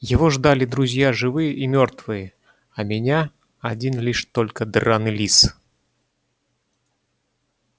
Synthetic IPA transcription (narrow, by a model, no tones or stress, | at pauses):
jɪvɔʐd̪alʲid̪ɾuzʲjaʐɨvɨjəʔimʲɔrt̪vɨjə | ɐmʲɪnʲa | ad͡zʲinlʲiʂt̪ɔlʲkəd̪ranɨlʲis